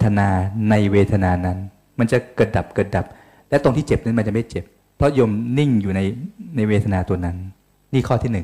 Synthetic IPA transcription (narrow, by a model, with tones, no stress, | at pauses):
t̪ʰa˧naː˧na˧jweː˧t̪ʰa˧naː˧na˦˥n | ma˧nt͡ɕa˨˩kɤː˨˩t̪̚da˨˩p̚kɤː˨˩t̪̚da˨˩p̚ | lɛ˦˥t̪o˧t̪ʰiː˥˩t͡ɕe˨˩p̚na˦˥nma˧nt͡ɕa˨˩ma˥˩t͡ɕe˨˩pʰː | ɾɔ˦˥joː˧mni˥˩ŋjuː˨˩na˧jna˧jweː˧t̪ʰa˧naː˧t̪u˧ɐna˦˥nː | iː˥˩kʰɔː˥˩t̪ʰiː˥˩nɯ˨˩ŋ